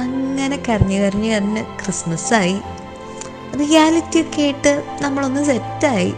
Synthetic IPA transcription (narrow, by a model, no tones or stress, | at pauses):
ɐŋːɐne̞kɐriɲːukɐriɲːukɐriɲːɨkrismɐsaːji | rijaːlitːijokːe̞ːjiʈːɨnɐmːɐɭo̞nːɨsetːaːjḭ